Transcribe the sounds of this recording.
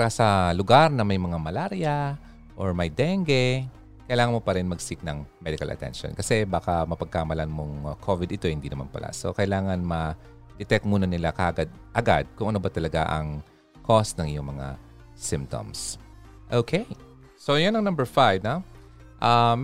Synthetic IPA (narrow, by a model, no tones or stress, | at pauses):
aɾasɐlʊɡaɾnɐmɐjmɐŋamɐlaɾjɐ | ʔoɹmɐjd̪ɛŋɡɛ | kɐjlaːŋɐnmopɐɾɪnmɐɡsɪk̚nɐŋmɛd̪ɪkɐ̰lʔɐ̰t̪ɛ̰nʃo̰nkɐsɛbaːkamɐpɐɡ̚kaːmɐlɐnmoŋkʰovɪd̪ɪt̪o̞hɪnd̪inɐma̰npɐ̰lʔa̰so̞̰kɐjlaːŋɐnmɐ | d̪̥ɛt̪ɛk̚t̪̚muːnɐnɪlakaʔɡad̪̚ʔɐɡa̰d̪̚kʊŋʔɐnobɐt̪ɐlɐɡaʔɐ̰ŋ | kʰo̞snɐŋʔɪjoŋmɐŋa̰ | sɪmp̚t̪o̰ms | ʔokʰej | sojonːɐŋnɐ̃mbɛɹfajvnaʔam